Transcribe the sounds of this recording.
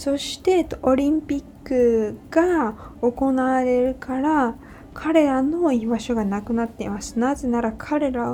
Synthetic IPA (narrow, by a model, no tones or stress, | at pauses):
so̞ɕi̥t̪e̞o̞ɾʲĩmpʲikːɯ̟ɡ̥ao̞ko̞naːɾe̞ɾɯ̟kaɾa | kʰaɾe̞ɾano̞ibaɕo̞ɡanakɯ̟nat̪ːe̞imasɨ̥nazenaɾakʰaɾe̞ɾao